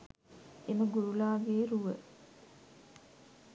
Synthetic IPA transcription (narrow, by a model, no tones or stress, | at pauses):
eməɡuɾulaːʋeːɾuʋə